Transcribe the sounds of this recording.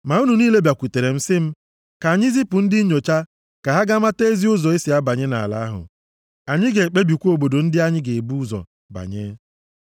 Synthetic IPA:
ma˨u˦nu˨niː˦le˦bja˨kʷu˨te˨ɾe˨m̩˦sɪ˦m̩˦ | ka˨ɲɪ˦zi˦pʊ˨n̩˦dɪ˦ɲo˨t͡ʃa˦ | ka˨ɦa˦ɡa˦ma˦te˦zi˦ʊ˦zɔ˨e˦si˨a˦ba˨ɲɪ˦na̰˨la̰˦a˦ɦʊ̰˨ | a˨ɲɪ˦ɡe˨k͡pe˦bi˨kʷu˦o˨bo˨do˨n̩˦dɪ˦a˦ɲɪ˦ɡe˨bu˦zɔ̰˨ | ba̰˨ɲe˦

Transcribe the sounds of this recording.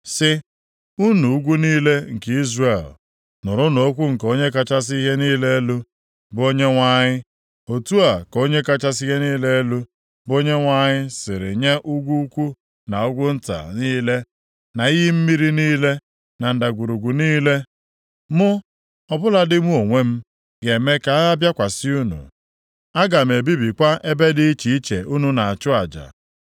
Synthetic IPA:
sɪ˦ | u˦nu˨u˦ɡʷu˦niː˦le˦ŋ̩˨ke˨˦i˦zre˨l | nʊ˨ɾʊ˦no˨o˦kʷu˦ŋ̩˨ko˦ɲe˦ka˦t͡ʃa˦s̬i˦ɦe˦niː˦le˦lu˦ | bo˦ɲe˦ŋʷa˦ɲɪ˦ | o˨tu˦a˨ko˦ɲe˦ka˦t͡ʃa˦s̬i˦ɦe˦niː˦le˦e˦lu˦ | bo˦ɲe˦ŋʷa˦ɲɪ˦sɪ˨ɾɪ̰˨ɲe˦ʔu˦ɡʷu˦kʷu˦ | na˨ʊ˦ɡʷʊ˦n̩˦ta̰˨niː˦le˦ | na˨ɣi˦i˦m̩˦mi˦ɾi˦niː˦le˦ | na˨n̩˨da˨ɡʷu˨ɾu˨ɡʷu˨niː˦le˦ | mʊ˦ | ɔ˨bʊ˦la˨dɪ˦mu˦o˨ŋʷe˦m̩˦ | ɡe˨me˦ka˨a˦a˦bja˦kʷa˨sɪ˦u˦nṵ˨ | a˦ɡa˨m̩˨e˨bi˦bi˨kʷa˦ʔe˦be˦dɪ˦i˦t͡ʃi˨i˦t͡ʃe˨u˦nu˦na˨a˨t͡ʃʊ˦a˨d͡ʒa̰˨

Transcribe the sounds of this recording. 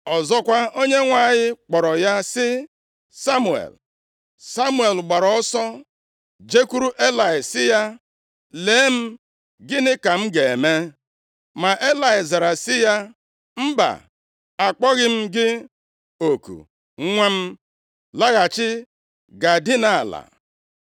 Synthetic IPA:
ɔ˨zɔ˦kʷa˦o˦ɲe˦ŋʷa˦˨ɲɪ˦k͡pɔ˨ɾɔ˨ja˦sɪ˦ | sa˦mu˨ḛ˨l | sa˦mu˦e˨lɡ͡ba˨ɾɔ˨ɔ˦sɔ˦ | d͡ʒe˦kʷu˦ɾu˦ʔe˦la˨ɪ˨sɪ˦ja˦ | le˨˦m̩˦ | ɡɪ˦nɪ˦ka˨m̩˦ɡe˨e˨me˦ | ma˨ʔe˦la˨ɪ˨za˨ɾa˨sɪ˦ja˦ | m̩˦ba̰˨ | a˨k͡pɔ˦ɣɪ˦m̩˦ɡɪ˦ | o˨kṵ˨˦ | ŋʷa˦m̩˦ | la˦ɣa˨t͡ʃɪ˦ | ɡa˨dɪ˦na̰˦˨la̰˨

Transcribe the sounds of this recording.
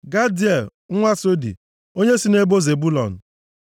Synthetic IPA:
ɡa˦di˦ɛ˨l̩˦ | ŋʷa˦so˦dḭ˨ | o˦ɲe˦si˦ne˦bo˦ze˨bu˦lɔ̰˨n̩˨

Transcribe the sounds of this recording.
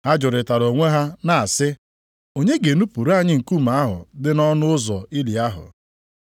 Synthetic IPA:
ɦa˦d͡ʒʊ˨ɾɪ˨ta˨ɾo˨ŋʷe˦ɦa˦na˨a˨sɪ˦ | o˨ɲe˦ɡe˨nu˦pu˨ɾa˦˨ɲɪ˦ŋ̩˨ku˦ma˨˦a˦ɦʊ̰˨dɪ˦nɔ˦nʊ˦ʊ˦zɔ˨i˦li˨a˦ɦʊ̰˨

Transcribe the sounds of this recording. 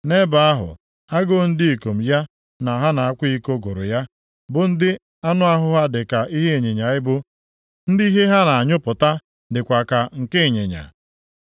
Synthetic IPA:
ne˦ba˨a˦ɦʊ̰˨ | a˦ɡo˦n̩˦dɪ˦i˨ko˨m̩˨ja˦ | na˨ɦa˦na˨a˦kʷi˦i˦ko˦ɡo˨ɾʊ̰˨ja˦ | bʊ˨n̩˦dɪ˦ | a˦nʊ˦a˦ɦʊ˦ɦa˦dɪ˨ka˨ʔi˦ɦe˦e˨ɲe˨ɲa˨ɪ˦bʊ˦ | n̩˦di˦ɦe˦ɦa˦na˨a˨ɲʊ˦pʊ˨ta˦ | dɪ˨kʷa˨ka˨ŋ̩˨ke˦˨ɲe˨ɲa̰˨

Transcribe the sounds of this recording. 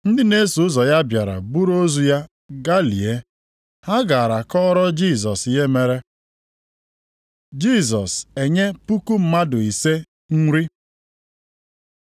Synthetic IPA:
n̩˦dɪ˦ne˦su˨ʊ˦zɔ˨ja˦bja˨ɾa̰˨bu˦ɾo˦zu˦ja˦ | ɡa˦lḭ˨e˦ | ha˦ɡa˨ɾa˨kɔ˦ɾɔ˦d͡ʒi˦˨s̬ɔ˨si˦ɦe˦me˦ɾe˦ | d͡ʒi˦˨s̬ɔ˨se˨ɲe˦pu˦ku˦m̩˨ma˦dʊ˨i˨se˦ | ŋ̩˦ɾi˦

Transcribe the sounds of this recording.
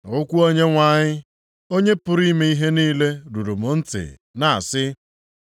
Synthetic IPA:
ʊ˦kʷu˦o˦ɲe˦ŋʷa˨ɲɪ˦ | o˦ɲe˦pʊ˦ɾi˦me˦i˦ɦe˦niː˦le˦du˨ɾu˨mʊ˨n̩˦tɪ̰˨ | na˨sɪ˦

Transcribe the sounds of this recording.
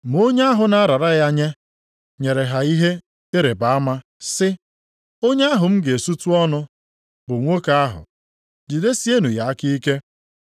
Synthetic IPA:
m˨o˦ɲe˦a˦ɦʊ˨na˦ɾa˨ɾa˦ja˦ɲe˦ | ɲe˨ɾe˨ɦa˨i˦ɦe˦ | e˦ɾe˨ba˨a˦ma˦ | sɪ˦ | o˦ɲe˦a˦ɦʊ˨m̩˦ɡe˨su˦tu˦ɔ˦nʊ˦ | bʊ˨ŋʷo˦ka˦a˦ɦʊ̰˨ | d͡ʒi˨de˦si˦e˦nu˨ja˨a˦ki˦ke˦

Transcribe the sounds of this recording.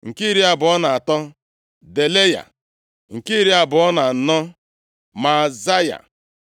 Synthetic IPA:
ŋ̩˨ki˦ɾi˦a˨bʊ˨˦ɔ˦na˨a˨tɔ˦ | de˨le˦ja̰˨ | ŋ̩˨ki˦ɾi˦a˨bʊ˨ɔ˦na˨n̩˨nɔ˦ | ma˨za˦ja̰˨

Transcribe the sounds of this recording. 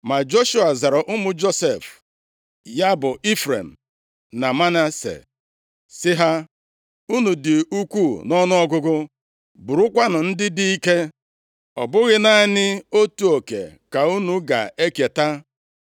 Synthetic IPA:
ma˨d͡ʒo˦ʃu˦a˨za˨ɾɔ˨ʔʊ˦mʊ˦d͡ʒo˦se˨f | ja˦bʊ˨ʔi˦fɾḛ˨n̩˨ | na˨ma˦na˦sḛ˨ | sɪ˦ɦa˦ | u˦nu˨dɪ˨u˦kʷu˦˨nɔ˦nʊ˦ɔ˦ɡʊ˦ɡʊ˦ | bu˨ɾʊ˦kʷa˦nʊ˨n̩˦dɪ˦dɪ˦i˦ke˦ | ɔ˨bʊ˦ɣɪ˦na˦nɪ˦o˦tu˨˦o˨kḛ˨ka˨u˦nu˨ɡa̰˨e˦ke˨ta˦

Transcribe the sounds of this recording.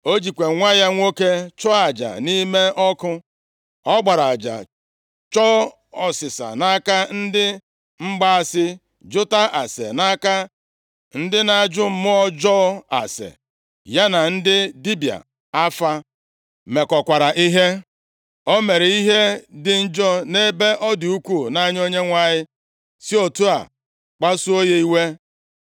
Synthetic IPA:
o˦d͡ʒi˨kʷe˨ŋʷa˦ja˦ŋʷo˦ke˦t͡ʃɔ˦a˨d͡ʒa̰˨ni˦me˦ʔɔ˦kʊ˦ | ɔ˦ɡ͡ba˨ɾa˨a˨d͡ʒa̰˨ | t͡ʃɔ˦ | ɔ˨sɪ˨sa̰˨na˦ka˦n̩˦dɪ˦ | ŋ͡m̩˦ɡ͡ba˦a˨sɪ˦ | d͡ʒʊ˦ta˦ʔa̰˨sḛ˨na˦ka˦ | n̩˦dɪ˦na˦˨d͡ʒʊ˦m̩˦mʊ˦ɔ˦d͡ʒɔ˦a̰˨sḛ˨ | ja˦na˨n̩˦dɪ˦di˦bi˨a̰˨ | a˦fa˦ | me˨kɔ˨kʷa˨ɾa˨ʔi˦ɦe˦ | o˦me˨ɾe˨i˦ɦe˦dɪ˦n̩˦d͡ʒɔ˦ne˦be˦ʔɔ˦di˨u˦kʷu˦˨na˦ɲ˦o˦ɲe˦ŋʷa˦˨ɲɪ˦ | si˦o˨tu˦a̰˨ | k͡pa˦su˦o˦je˦i˦we˦

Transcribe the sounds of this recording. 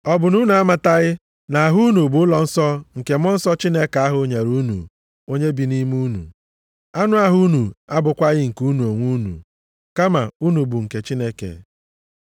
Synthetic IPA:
ɔ˦bʊ˨nu˦nu˨a˦ma˦ta˦ɣɪ˦ | na˨a˨ɦu˦nu˨bʊ˨˦ʊ˦lɔ˨n̩˦sɔ˦ŋ̩˨ke˨m˦ɔ˦n̩˦sɔ˦t͡ʃi˦ne˦kaa˦ɦʊ˨˦ɲe˨ɾu˦nṵ˨ | o˦ɲe˦bi˨ni˦mu˦nṵ˨ | a˦nʊ˦a˦ɦu˦nu˨a˦bʊ˨kʷa˦ɣɪ˦ŋ̩˨ku˦nu˨o˨ŋʷu˦nṵ˨ | ka˦ma̰˨u˦nu˨bʊ˨ŋ̩˨ke˨t͡ʃi˦ne˦kḛ˨

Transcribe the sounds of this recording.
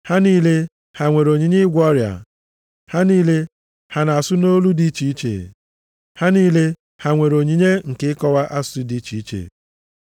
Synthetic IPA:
ha˦niː˦le˦ | ha˨ŋʷe˨ɾo˨ɲi˦ɲe˦ɡʷɔ˦ɾja̰˨ | ha˦niː˦le˦ | ha˨na˨sʊ˦no˦lu˦di˦t͡ʃi˦i˦t͡ʃḛ˨ | ha˦niː˦le˦ | ha˨ŋʷe˨ɾo˨ɲi˦ɲe˦ŋ̩˨kɪ˦ɪ˦kɔ˦ɣa˦ʔa˦sʊ̥˦ʊ˦di˦t͡ʃi˨˦i˦t͡ʃḛ˨

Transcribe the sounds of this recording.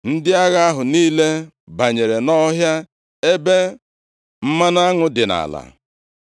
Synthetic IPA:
n̩˦dɪ˦a˦ɣa˦a˦ɦʊ˨niː˦le˦ | ba˨ɲe˨ɾe˨nɔ˦ɦja˦ | e˦be˦ | m̩˦ma˦na˦a˦ŋʊ˦dɪ˨na̰˨la̰˨

